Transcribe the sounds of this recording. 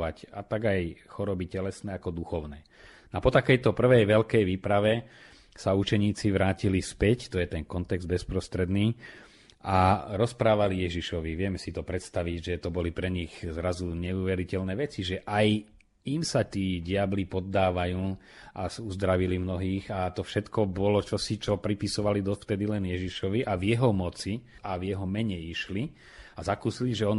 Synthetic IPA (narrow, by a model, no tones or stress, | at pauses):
ʋacat̪aɡajxɔɾɔbicɛlɛsnɛːakɔd̪uxɔʊnɛː | napɔt̪akɛjt̪ɔpr̩ʋɛjʋɛʎkɛjʋiːpɾaʋɛ | saut͡ʃɛɲiːt͡siʋɾaːcilispɛct̪ɔjɛt̪ɛnkɔnt̪ɛɡzd̪̚bɛspɾɔst̪ɾɛd̪niː | aɾɔspɾaːʋalijɛʒiʃɔʋiʋɪɛmɛsit̪ɔpɾɛt̪st̪aʋiɟʒɛt̪ɔbɔlipɾɛɲiɣzɾazuɲɛuːʋɛɾicɛlnɛːʋɛt͡siʒɛʔaj | imsat̪iːɟɪablipɔd̪ːaːʋajuː | ʔasuzd̪ɾaʋilimnɔɦiːɣat̪ɔfʃɛt̪kɔbɔlɔt͡ʃɔsit͡ʃɔpɾipisɔʋalid̪ɔft̪ɛd̪ilɛnjɛʒiʃɔʋiʔavjɛɦɔmɔt͡siavjɛɦɔmɛɲɛjiʃli | azakuːsiliʒɛɔn